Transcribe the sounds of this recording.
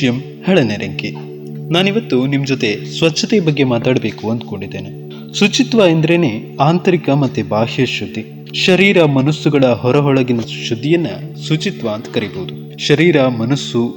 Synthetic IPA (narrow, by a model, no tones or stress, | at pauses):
jɐm | hɛɭɐneɾɐŋke | naːniʋɐt̪ːunimd͡ʒot̪e̞sʋɐtːʰɐt̪ebɐɡːe̞maːt̪aːɽɐbe̞ːkuɐnd̪uko̞ɳɖid̪ːeːne | sut͡ʃit̪ʋaend̪ɐɾeneː | aːnt̪ɐɾikɐmɐt̪ːebaːɦjɐʃud̪ːi | ʃɐɾiːɾɐmɐnusːuɡɐɭɐɦɔɾɐɦɔɭɐɡinɐʃud̪ːijɐnːɐsut͡ʃit̪ʋaːnt̪ɐ̥kɐɾiboːud̪u | ʃɐɾiːɾɐmɐnusːu